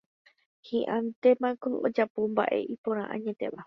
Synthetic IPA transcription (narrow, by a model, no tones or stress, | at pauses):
hĩʔãnt̪e̞mãkoo̰d͡ʒapomba̰ʔe̞̰ʔipõɾ̃ãʔã̰ɲet̪e̞ʋa